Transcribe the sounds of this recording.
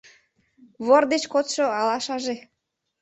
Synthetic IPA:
βord̪et͡ɕkot̪ʃoɑlɑʃɑʒe

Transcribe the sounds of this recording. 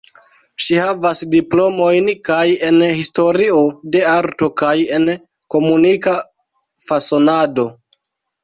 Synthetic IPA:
ʃihavasdiplo̞mo̞jnkaje̞nhisto̞ɾio̞de̞aɾto̞kaje̞n | ko̞munika | faso̞nado̞

